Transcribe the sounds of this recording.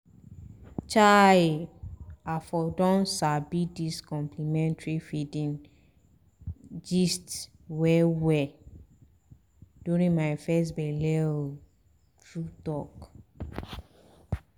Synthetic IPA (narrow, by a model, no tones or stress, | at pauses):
t͡ʃa | afɔdɔ̃nsabidiskɔ̃mplimɛ̃ntɹifidĩn | d͡ʒist | wɛwɛ | d̥juɹĩnmaɪfɛstbɛlɛ | tɹutɔk